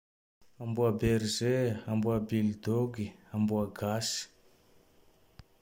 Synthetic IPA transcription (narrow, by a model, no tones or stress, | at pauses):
ambuabeɾizeambuabild̪oɡiambuaɡasi̥